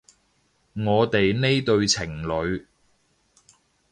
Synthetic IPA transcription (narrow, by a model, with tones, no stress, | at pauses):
ŋɔː˨˧t̪e˨jne˥jt̪ɵ˧ɥt͡sʰɪ˨˩ŋlɵ˨˧ɥ